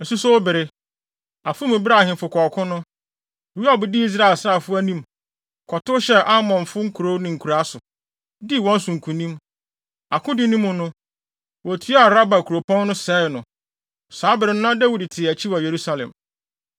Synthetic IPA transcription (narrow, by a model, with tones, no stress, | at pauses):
n̩˨su˦sɔ˦wʊ˦bɪ˨ɾɪ˦ | a˨fʊ˦mɪ̃˨ba˦˨hɪ̃˨fʊ˨kʰɔ˨kʰʊ̃˦nʊ̃˦˨ | wi˦a˦˨bʊ˨dɪ˦i˦s̬ɾa˦ɪ˨lsa˦˨fʊ˦æ˦nĩ˦m | kʰɔ˨tʊ˦ɕɛ˦ʔa˦mɔ̃˨nfʊ˦ŋ̩˦kʰu˨ɾo˦nʊ̃˨ŋ̩˨kʰu˨ɾa˦sʊ˨ | di˦wɔ̃˦n̩˦sʊ̃˨ŋ̩˨kʰũ˨nĩ˦m | a˨kʰʊ̃˦dɪ˦nĩ˦mʊ̃˨nʊ̃˦ | wɔ˨tʰɥa˨ɾa˦ba˨kʰu˨ɾo˨pʰɔ̃˦nːʊ̃˦sɛː˦˨nʊ̃˨ | saː˨˦bɪ˨ɾɪ˨n˦nã˦da˦wu˨dtʰɪ˨æ˨t͡ɕʰi˦wa˨je˨ɾu˦sa˨lɛ̰̃˨m